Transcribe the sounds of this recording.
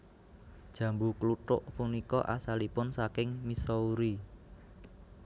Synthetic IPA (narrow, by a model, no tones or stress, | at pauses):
d̥ʒ̥ä̤mbukluʈʊ̰ʔpunikɔʔasalipʊnsakɪŋmisɔuɾi